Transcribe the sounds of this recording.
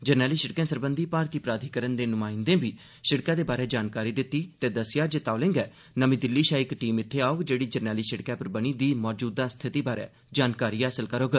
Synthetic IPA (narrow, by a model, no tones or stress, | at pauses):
d͡ʒəɾnɛːliːʃəɽkẽːsəɾbənd̪iːpaːɾt̪iːpɾaːt̪ʰiːkəɾənd̪eːnʊmaːɪ̃nd̪ẽːbiː | ʃɪɽkãːd̪eːbaːɾeːd͡ʒaːnkaːɾiːd̪ɪt̪ːiːt̪eːd̪əsjaːd͡ʒet̪aːlɪ̃ŋɡɛː | nəmĩːd̪ɪlːiːʃaːɪkʈiːmɪt̪ʰːeːaːʊɡd͡ʒeːɽiːd͡ʒəɾnɛːliːʃəɽkɛːpəɾbəɽ̃iːd̪iːmɔːd͡ʒuːd̪aːst̪ʰɪt̪iːbaːɾḛː | d͡ʒaːnkaːɾiːaːsəlkəɾoːɡə